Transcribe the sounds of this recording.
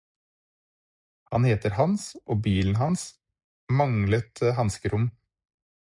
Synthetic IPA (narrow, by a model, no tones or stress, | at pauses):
hɑnheːt̪əɾhɑnsʔoːbiːln̩hɑns | mɑŋlət̪əhɑnskəɾʔʊm